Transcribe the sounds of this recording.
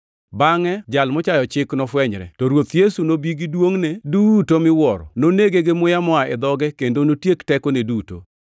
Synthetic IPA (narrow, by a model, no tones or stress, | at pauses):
baŋɛd͡ʒalmɔt͡ʃajɔt͡ʃɪknɔfwɛɲɾɛ̰tɔɾwot̪jesunobiɡidwoŋnedutomɪwɔɾɔ̰noneɡeɡemʊjamɔaʔɛd̪ɔɡɛkendonotjektɛkoneduto̰